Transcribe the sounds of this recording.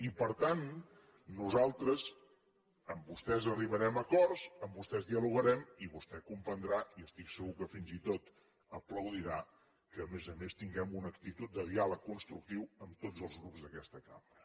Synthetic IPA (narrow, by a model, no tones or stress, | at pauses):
ipəɾt̪anː | uzalˠt̪ɾəz | əmbust̪ɛzəriβ̞əɾɛməkɔrzəmbust̪ɛzðiəluɣəɾɛmiβust̪ɛkumpənd̪ɾaiəst̪iksəɣukəfinzit̪ot̪ | əpləwðiɾa | kəːmezəmest̪iŋɡɛmunək̚t̪it̪ut̪̚d̪əðialəkːunst̪ɾuk̚t̪iwəmt̪od͡zəlˠzɣɾupzðəkɛst̪əkamɾə